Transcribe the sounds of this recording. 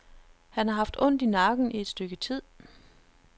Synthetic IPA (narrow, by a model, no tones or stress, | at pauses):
hænhɑ̈ɦɑ̈fd̥ɔ̽n̰d̥inɑ̈ɡ̥n̩ʔie̝d̥sd̥øɡ̥ət͡sʰið̰ˠ